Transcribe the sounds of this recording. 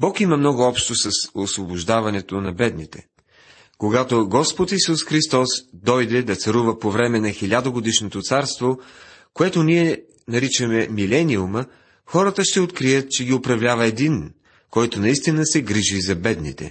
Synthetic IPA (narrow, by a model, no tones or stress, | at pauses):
bɔkimɐmnɔɡʊɔpʃt̪osɐsosvobʊʒd̪avɐnɛt̪onɐbɛd̪nit̪ɛ̰ | koɡat̪oɡɔspot̪isusxɾist̪ɔsd̪ɔjd̪ɛd̪ɐt̪sɐɾuvəpovɾɛmɛnɐxilʲad̪oɡod̪iʃnot̪ot̪saɾst̪vokoɛt̪oniɛ | nɐɾit͡ʃəmɛmilɛnʲiumə | xɔɾət̪əʃt̪ɛot̪kɾijət̪̚t͡ʃɛɡʲiʊpɾɐvlʲavɐɛd̪in | kɔjt̪onɐist̪inəsɛɡɾiʒizɐbɛd̪nḭt̪ɛ̰